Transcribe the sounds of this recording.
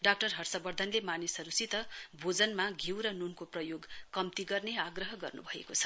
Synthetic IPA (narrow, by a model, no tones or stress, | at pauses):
ɖak̚ʈʌrɦʌrsʌbʌrd̪ʱʌnlemanisɦʌɾusit̪ʌbʱod͡zʌnmaɡʱiwɾʌnunkoprʌjoɡkʌmt̪iɡʌrneaɡrʌɦʌɡʌ̰rnṵbʱʌḛkot͡sʰʌ̥